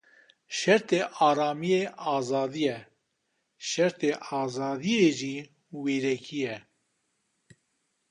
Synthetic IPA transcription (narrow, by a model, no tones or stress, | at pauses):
ʃɛɾt̪eːʔɑːɾɑːmijeːʔɑːzɑːd̪ijɛ | ʃɛɾt̪ʰeːʔɑːzɑːd̪ieːʒiː | weːɾɛkʰijɛ